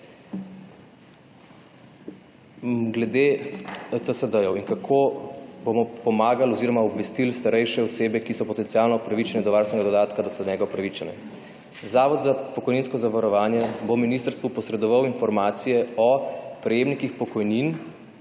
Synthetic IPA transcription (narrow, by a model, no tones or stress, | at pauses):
ɡlɛd̪e | t̪əsəd̪əjɔwinkakʰobomɔpɔmaːɡalɔziɾɔmaɔbʋɛst̪ilst̪aɾɛjʃɛɔseːbɛkisɔpɔt̪ɛnt̪sialnɔɔpɾaʋit͡ʃɛnɛd̪ɔʋaɾst̪ɛnɛɡad̪ɔd̪aːt̪kad̪asɔnɲɛːɡaɔpɾaʋit͡ʃɛnɛ̰ | zaːʋɔd̪zapɔkɔjninskɔzaʋaɾɔʋaːnjɛbominiːst̪əɾst̪ʋupɔsɾɛd̪ɔʋawinfɔɾmaːt̪sijɛɔpɾɛjeːmnikixpɔkɔjnin